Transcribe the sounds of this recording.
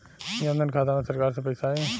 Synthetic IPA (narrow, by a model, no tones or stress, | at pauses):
jə̃nd̪ənkʰaːt̪amẽsɐɾkaːɾsepɐɪsaːẽ